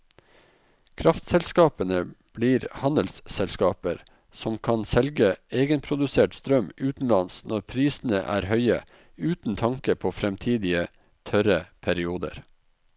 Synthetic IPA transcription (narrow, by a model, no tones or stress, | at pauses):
kʰɾɑft̪sɛlskɑːpənəb̥liːɾhɑnəlssɛlskɑːpəɾ | sɔmkʰɑnsɛlɡəeːɡənpʰɾʊd̪ʉseːʈst̪ɾœmʔʉːt̪n̩lɑnsnɔɾpʰɾiːsn̩əʔæ̰ːɾhœʏə̰ | ʉːt̪n̩t̪ʰɑŋkəpʰoːfɾɛmt̪ʰiːd̪ɪə | t̪ʰœɾəpʰæɾɪuːd̪ə̰ɾ